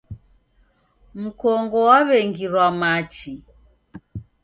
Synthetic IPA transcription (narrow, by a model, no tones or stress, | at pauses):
m̩kɔŋɡɔwaβɛŋɡiɾwamat͡ʃi